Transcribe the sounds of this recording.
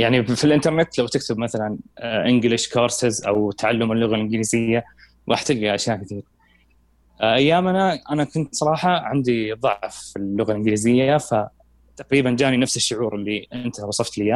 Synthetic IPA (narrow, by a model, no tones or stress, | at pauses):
jaʕnifilʔɪnt̪ɑɾˤnɪt̪lawt̪ɪk̚t̪ɪbmaθalanʔɪnɡlɪʃkʰɑːɾˤsɪzʔa̰wt̪ʰaʕalːʊmɪlːʊɣalʔɪnɡliːzɪjːa | wʔa̰ħt̪ːɪlɡiʔaʃjaːʔkaθiːɾ | ʔajːaːmnaʔanakʊnt̪sˤɑɾˤɑːħɑʕɪnd̪iðˤɑʕfːilːʊɣalʔɪnɡɪliːzɪjːafa | t̪aqɾiːband͡ʒaːninafsɪʃːʊʕuːɾʔɪlːiʔɪnt̪awɑsˤɑft̪lɪja